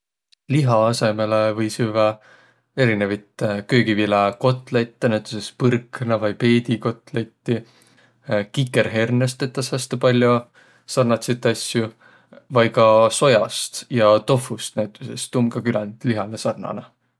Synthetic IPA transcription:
liɦɑɑse̞melevɤjsyvɑ | e̞ɾinevɑjt̪ˑkø̞ːɡivilɑko̞t̪ːˑlejt̪ːenæt̪ːˑu̥sespɯrknɑvɑjpe̞ːd̪iko̞t̪ˑlejt̪ːi | kikːe̞ɾɦe̞rnest̪e̞t̪ːɑshæst̪epɑlʲjo | sɑrnɑt̪sit̪ːˑɑsju | vɑjkɑso̞jɑst̪jɑt̪o̞fust̪næt̪ːˑusest̪ːumɡɑkylænt̪liɦɑlesɑrnɑ̰nɑ

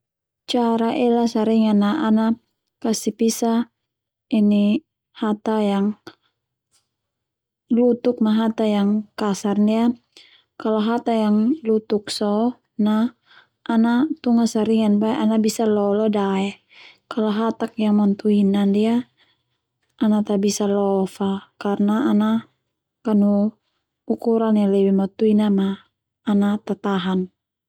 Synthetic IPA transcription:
t͡ʃaɾaʔɛlasaɾiŋanːaana | kasipisa | ini | hat̪ajaŋ | lut̪uk̚maɦat̪ajaŋkasarndia | kaloɦat̪ajaŋlut̪uk̚sɔ | na | ʔanat̪uŋasaɾiŋanbaɛʔanabisalɔlɔdaɛ | kalɔɦat̪ak̚jaŋmant̪uinandia | ʔːnat̪abisalɔfakarnaːna | kanu | ukuɾanjalɛbɛmat̪uinamaː | nat̪at̪aɦan

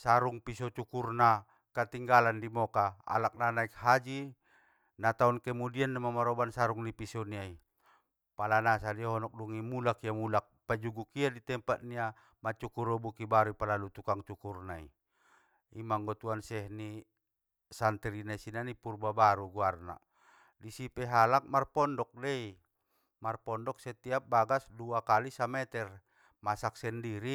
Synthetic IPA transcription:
saɾuŋpisɔt͡ʃukurna | kat̪iŋɡalandimɔkaa̰lak̚nanaik̚had͡ʒi | nat̪aunkɛmudianːamamaɾɔbansaɾuŋnipisɔniai | palanasadiaɦɔnɔk̚duŋimulakiamulak̚pad͡ʒuɡukiadit̪ɛmpat̪̚nia | mat͡ʃukuɾɔbukibaɾuipalalut̪ukaŋt͡ʃukurnaḭ | imaŋɡɔt̪uansɛɦni | sant̪ɛɾinaisinanipurbabaɾuɡuarna̰ | disipɛɦalak̚marpɔndɔk̚dɛi | marpɔndɔk̚sɛt̪iap̚baɡasduakalisamɛt̪ɛr | masak̚sɛndiɾi

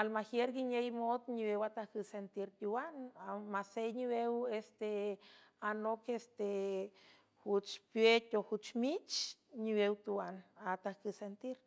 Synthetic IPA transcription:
almahjeɾɡiɲejmod̪ɲiwewat̪ahkɨsent̪iɾt̪uwanamasejɲiwewest̪e | anokest̪e | hut͡ʃpjet̪ʲohut͡ʃmit͡ʃɲiwewt̪uwanat̪ahkɨsent̪iɾ

